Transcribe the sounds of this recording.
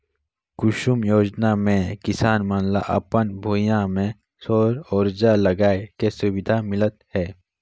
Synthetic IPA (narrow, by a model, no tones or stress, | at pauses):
kʊʃʊmjoːd͡ʒnamẽkɪsaːnmanla̰ʔɐ̰pənbʱoːjãmẽ | soːɾɔːɾd͡ʒaləɡaːekesʊwɪd̪ʱamɪlət̪hɛː